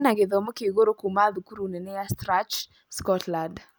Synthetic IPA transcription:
naɡeðɔmokeɡoɾokumaðukuɾunenɛjastɾat͡ʃ | skɔtland

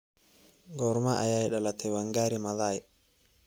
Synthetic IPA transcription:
ɡɔɾmaʔajajɛɗalat̪ʰɛwaŋɡaɾimaðajɛ

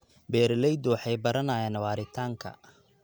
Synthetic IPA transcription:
bɛːɾlɛjd̪ɔwħɑjbɐɾɐnaːjanwɑːɾɪt̪ʰaːŋkʰɐ̰

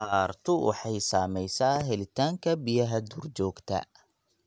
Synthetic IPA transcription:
aːrt̪ʰʊʔʊ̰ħɑjsaːmɛjsaːɦɛlɪt̪ʰaːŋkʰɐbijɐɦɐd̪uːrd͡ʒɔːɡt̪ʰɐ̰

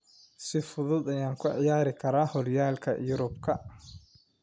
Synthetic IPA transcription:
sɪfʊðʊd̪ɐjaːŋkʰʊʕɪjaːɾɪkʰɐɾaːhɔrjaːlkʰɐ̰jʊɾʊbkʰɐ

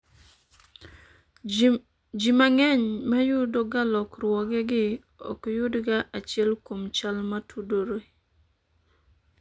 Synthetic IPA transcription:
d͡ʒimaŋɛɲmajʊdɔɡalɔkrwɔɡɛɡɪ | ɔ̰kjʊdɡaʔat͡ʃɪɛlkomt͡ʃalmatʰudoɾo

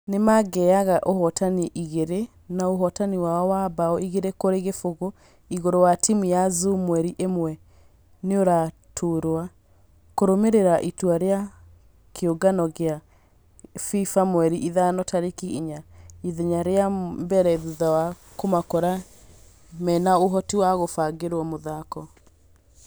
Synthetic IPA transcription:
nemaɡɛaɣaʔohɔtaniʔiɣeɾe | naoɦɔtaniwaɔwabaɔiɣeɾekoɾeɣefoɣo | iɣoɾowatimijazumwɛɾiʔemwɛ | neoɾa | tʰoɾwa | koɾomeɾeɾaʔitwaɾea | keoɡanɔɣea | fifamwɛɾiʔiðanɔtʰaɾekiiɲaiðeɲaɾeambɛɾɛðuðawa | komakɔɾa | mɛnaoɦɔtiwaɣofaɡeɾwɔmoðakɔ

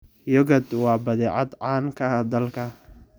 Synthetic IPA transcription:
jɔɣɐd̪wɑːbɐðɛːʕɑd̪ʕɑːŋkʰɐd̪ɐlkʰɐ

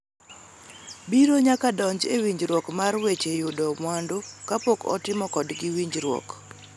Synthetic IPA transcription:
biɾoɲakadɔɲd͡ʒewiɲd͡ʒɾwɔkmarwet͡ʃejʊdɔmwandokapokɔ̰tɪmɔkɔdɡɪwiɲd͡ʒɾwɔ̰k

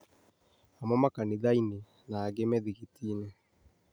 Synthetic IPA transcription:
amɔmakaniðaine | naːɣemɛðiɣitiːne

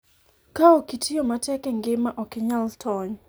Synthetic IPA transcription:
kaokitʰijomatɛkɛŋɡɪmaʔɔkɪɲaltʰɔɲ

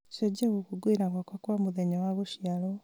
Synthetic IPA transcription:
ʃoɟeɣukuɡwiɾaɣwakwakwamuðeɲawaβuʃialo

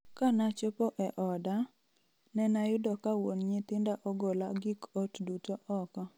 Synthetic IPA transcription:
kanat͡ʃopoʔɛʔɔda | nɛnajʊdɔkawonɲɪt̪ɪndaʔɔɡolaɡɪkɔtdutoʔɔkɔ

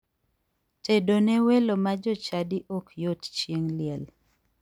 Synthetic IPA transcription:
tedonewelomad͡ʒɔt͡ʃadiʔokjott͡ʃjeŋlɪɛl

